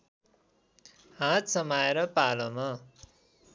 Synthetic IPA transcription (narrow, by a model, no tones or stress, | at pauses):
hãt̪sʌmaeɾʌpalʌmʌ